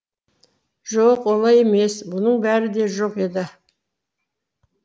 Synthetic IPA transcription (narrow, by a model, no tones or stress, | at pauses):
ʒoqwo̞lˠɑje̞me̞sbʊnəɴbæɾɪd̪e̞ʒoqe̞d̪ɪ